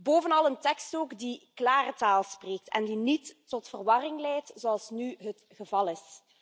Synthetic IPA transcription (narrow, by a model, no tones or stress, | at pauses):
boːvənɑlˠəntɛkstoːkdiklaːrətaːlˠspreːk̚tʰɛ̰ndinitːɔtfərʋɑrɪŋlɛjtzoɑlˠsnyɦət | xəvɑlˠɪs